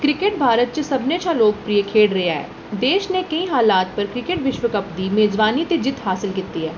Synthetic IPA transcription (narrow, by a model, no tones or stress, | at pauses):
kɾɪkeʈ̚bʱaːɾət̪̚t͡ʃəsɐbnet͡ʃʰaloːɡ̚pɾiəkʰeːɽɾeɦaɦɛ̰ː | d̪eːʃnekɐĩɦaːlaːt̪̚pəɾkɾɪkeʈʋɪʃʋəkəpd̪imeːd͡ʒʋaːnit̪ed͡ʒɪt̪ɦaːsɪlkit̪ːiɦɛː